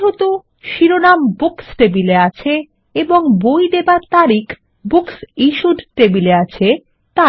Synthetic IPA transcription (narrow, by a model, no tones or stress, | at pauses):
ɦot̪o | ʃiɾonambuksʈebileat͡ɕʰe | eboŋbojd̪ebaɾt̪aɾikʰ | buksiʃuɖʈebileat͡ɕʰe | t̪a